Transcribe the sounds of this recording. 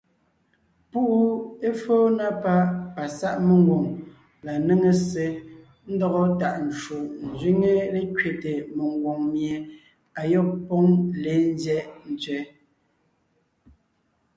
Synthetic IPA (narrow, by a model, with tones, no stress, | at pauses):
pu˦ʔu˦e˦foː˦na˦pa˦pa˨sa˦ʔme˦˨ŋ˦ɡwo˨ŋ | la˨ne˦ŋe˨se˨ | n̩˦dɔ˦ɣɔ˦ta˨ʔn̩˨t͡ʃu˨ʔn̩˨zɥi˦ŋe˦le˦kɥe˨te˨me˨ŋ˦ɡwo˨ŋmje˨ | a˨jɔ˦˨k̚pɔ˦ŋle˨˦n˦zɛ˦ʔn̩˨t͡sɥɛ˦